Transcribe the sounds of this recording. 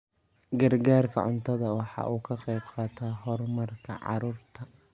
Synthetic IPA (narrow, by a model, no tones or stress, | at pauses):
ɡɐrɡaːrkʰɐ̰ʕʊ̰nt̪ʰɐðɐwɑħɑ̰ːʔuːkʰɐqɛjbqɑːt̪ʰaːɦɔrmɐrkʰɐ̰ʕɑ̰ɾuːrt̪ʰɐ